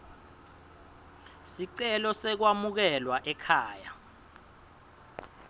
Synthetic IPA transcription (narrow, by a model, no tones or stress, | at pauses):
siǀɛlɔsɛk̬wamuk̬ɛlwaʔɛkʰaːja